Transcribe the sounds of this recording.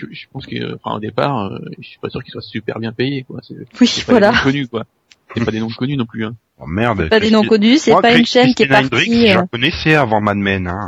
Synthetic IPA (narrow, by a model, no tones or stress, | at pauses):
ʒəʒəpɑ̃skə̰ɑ̰̃fɛ̰̃o̰d̪epa̰ːʁø̰əsɥi̥pasyʁkʲilswasypɛ̰ʁbjɛ̃pejekwa̰sɛwisɛvpawaelakɔnykwa | ɛpad̪enɔ̃kɔnynɔ̃plyɛ̃ | ɔ̰mɛʁd̪pad̪enɔ̃kɔnysɛpaynʃɛnkʲiɛnaʁd̪ʁiiʒ̃kɔnɛsɛavɑ̃mad̪mɛnɛ̃